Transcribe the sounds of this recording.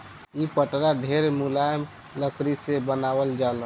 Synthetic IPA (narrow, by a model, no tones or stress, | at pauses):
ipəʈɾaɖʱeɾmulajm | ləkɾisebənaʋəld͡ʒalə